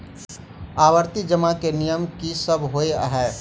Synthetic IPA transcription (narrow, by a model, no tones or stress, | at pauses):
aːwəɾt̪id͡ʒəmakenijəmkisəbʱɦoea̰ɦɛː